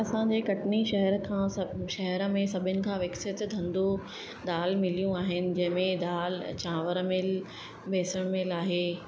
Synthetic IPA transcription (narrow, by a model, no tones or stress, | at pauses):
ɐsãɲd͡ʑeːkɐʈniʃɐɦɛɾkʰãːsʃɐɦɛɾə̆mẽsɐbʱɪnɪ̆kʰãːʋɪksɪt̪d̪ʱɐ̃nd̪o | d̪aːlmɪlijũaːɦɪnɪ̆d͡ʑɐ̃ɦɪ̃mẽd̪aːlt͡ɕãːʋəɾmɪl | bʱeːsəɽ̃mɪlaːɦeː